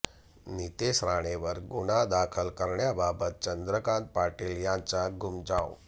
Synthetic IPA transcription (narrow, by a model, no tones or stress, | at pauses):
nit̪esɾaɽ̃eʋəɾɡuɽad̪akʰəlkəɾɳjababət̪̚t͡ɕənd̪ɾəkãnt̪̚paʈiːljãnt͡saɡʱumd͡zãw